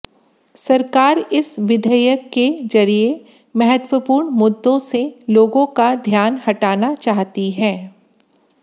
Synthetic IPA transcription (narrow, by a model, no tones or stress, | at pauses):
sɐɾkaːɾɪsʋɪd̪ʱəjəkːed͡ʒɐɾie | mɐɦət̪wəpuːɾɳmʊd̪ːõseloːɡõkad̪ʱjaːnhɐʈaːnat͡ʃaːɦt̪iɦɛ̃ː